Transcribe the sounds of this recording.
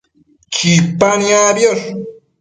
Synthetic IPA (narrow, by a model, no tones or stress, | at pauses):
t͡ʃipaniabjoɾ